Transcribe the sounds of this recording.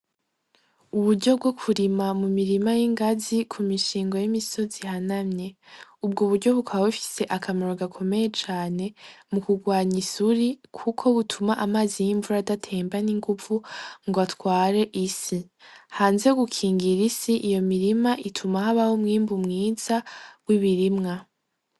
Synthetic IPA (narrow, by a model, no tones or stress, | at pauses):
uβuɾɟo̞b̚ɡo̞kʰuɾimamumiɾimajiŋɡazikʰumiʃiːŋɡo̞jimiso̞zihanamɲe̞ub̚ɡuβuɾɟo̞βutwaβaβufi̥se̞ʔakʰamaɾoɡakʰo̞me̞je̞t͡ʃaːne̞mukuɡwaːɲisuɾikʰukʰo̞βutʰumaʔamaːzijiɱvuɾadatʰe̞ːmbaniŋɡuvuŋɡoatwaːɾe̞ʔisi | haːnze̞ɡukʰiːŋɡiɾisiʔijo̞miɾimaʔitʰumahaβahomŋiːmbumŋiːz̥awiβiɾimŋa